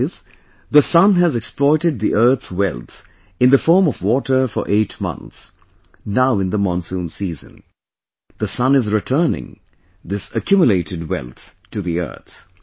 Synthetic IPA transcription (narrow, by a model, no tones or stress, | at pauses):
z̥ | ðəsʌ̃nɨzɛksplɔɪɾɨd̪̚ðiʔɜ˞t̪swɛ̰lˠθ | ɨ̃nðəfɔɹmʌvwɔɾə˞fə̰˞ʔeɪtmʌ̰̃nθs | naʊɨ̃nðəmɔ̃nsũnsiːzɨ̰̃n | ðəsʌ̃nɨzɹɪtʰɜ˞nɪ̰̃ŋ | ðɪsɨkʰjʉmjəleɪɾɨd̚wɛ̰lˠθtʰɨðiɜ̰˞θ